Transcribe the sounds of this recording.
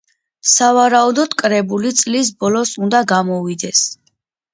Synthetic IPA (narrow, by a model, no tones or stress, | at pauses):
savaɾaud̪ɔd̪̥kʼɾɛbulit̪sʼlis̬bɔlɔsund̪aɡamɔvid̪ɛs